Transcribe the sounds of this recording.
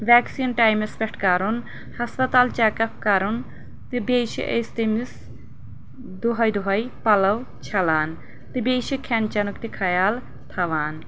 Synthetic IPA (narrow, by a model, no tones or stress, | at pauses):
ʋʲɛːksinʈaːjmɐspʲɛʈʰkɐɾun | hɐspɐt̪aːlt͡ʃaːkɐp̚ʰkɐɾun | t̪ibeːʃḭʔḛjst̪imis | d̪uɦɐjd̪uɦɐjpɐlɐw | t͡ʃʰɐlaːn | t̪ibeːʃikʰɛnt͡ʃɐnukt̪ikʰɐjaːl | t̪ʰɐʋaːn